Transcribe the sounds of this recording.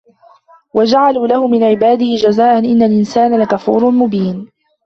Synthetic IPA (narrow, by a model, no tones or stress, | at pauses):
wad͡ʒaʕaluːlahʊmɪnʕɪbaːd̪ɪhɪd͡ʒazaːʔanʔɪnːalʔɪnsaːnalakafṵːɾnmʊbiːn